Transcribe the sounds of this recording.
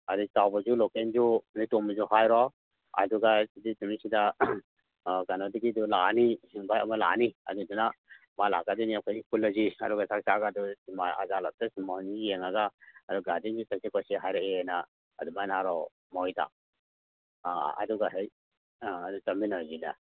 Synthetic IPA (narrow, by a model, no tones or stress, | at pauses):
ɐdusawbɐzulɔkend͡ʒunitɔmɐzuhajɾɔ | ɐ̰duɡasiditumisida | ɡanadiɡidulaaniiŋbajɐmɐla̰niɐ̰duduna | mala̰ɡadiniakʰɔjikulɔziɐduɡasak̚saɡaduimaa̰zalap̚tasmaɔnieŋaɡaːduɡadind͡ʒutɐk̚sikʰɔsiɦajɾaeenaː | dumajnaɾɔ | mɔwjtʰa̰ | ɐ̰duɡaɦejː | dutaminazina̰